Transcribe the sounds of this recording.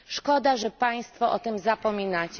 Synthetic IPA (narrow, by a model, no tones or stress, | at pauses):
ʂkɔd̪aʐɛpaj̃st̪fɔʔɔt̪ɘmzapɔmʲinat͡ɕ